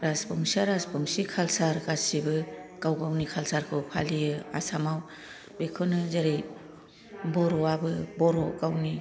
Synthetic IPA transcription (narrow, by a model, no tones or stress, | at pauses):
ɾaspɔŋsaɾaspɔŋsikʰalsaɾkasibɯkawɡawnikʰalsaɾkʰɯwpʰa̰lijɯa̰samaw | bekʰɔnɯzaɾej | bɔɾɔabɯbɔɾɔkawni